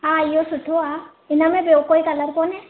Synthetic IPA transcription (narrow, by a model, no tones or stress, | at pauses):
aijɔsutʰua | inamɛbewkɔjkalaɾkɔnɛ